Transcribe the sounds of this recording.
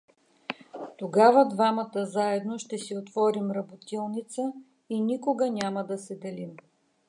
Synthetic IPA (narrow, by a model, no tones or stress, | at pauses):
t̪oɡavəd̪vamət̪əzaɛd̪noʃt̪ɛsiot̪vɔɾimɾɐbot̪ilˠnit̪sə | inikoɡənʲaməd̪ɐsɛd̪ɛlim